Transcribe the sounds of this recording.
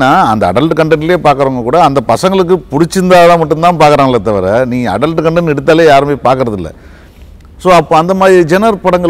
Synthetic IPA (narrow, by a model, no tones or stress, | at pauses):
nːaːɐnd̪ɐɐɽɐlʈkɐɳɖɐnɪljeːpaːɾkɐɾɐŋɡɐkuːɽɐːnd̪ɐpɐsɐŋɡɐɭɯk̬ːɯpʊɽɪt͡ʃːɯnd̪aːðɐmɐʈːɯmt̪ãːpaːɾkɐɾaːŋɡɐlːɐt̪ːɐʋɐɾɐnĩːɐ̰ɽɐlʈɯkɐɳɖɛnːɛɽɯt̪̬ːaːleːjaːɾɯmeːpaːɾkɯɾɐðɪlːɐ̰ | soːɐpːoːɐnd̪ɐmaːðɾiid͡ʒɛnɐɾpɐɽɐŋɡɐ